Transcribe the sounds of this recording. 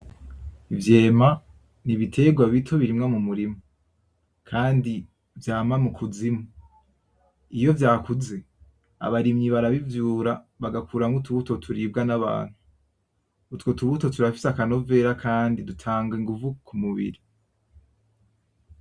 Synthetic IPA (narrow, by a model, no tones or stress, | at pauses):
ivje̞ːma | niβitʰe̞ɡwaβitʰoβiɾimŋamumuɾimu | kʰaːndi | vjaːmamukʰuzimu | ijo̞vjaːkuze̞ | a̰βaɾimɲiβaɾaβivjuːɾa | βaɡakuːɾaŋɡutʰuβutotʰuɾibɡanaβa̰ːn̥huː | tkotuβuto̞tuɾafi̥sakano̞ve̞ɾakʰaːndidutʰaːŋɡiŋɡuvukʰumuβḭɾi